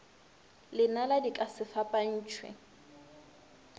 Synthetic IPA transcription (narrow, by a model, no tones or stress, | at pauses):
lɪnaladikʼasɪfapʼan̩ːt͡ʃʰwɛ̰